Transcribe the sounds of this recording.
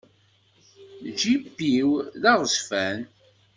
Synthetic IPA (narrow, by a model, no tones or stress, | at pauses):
d͡ʒibːiwðɑʁˤəsfæn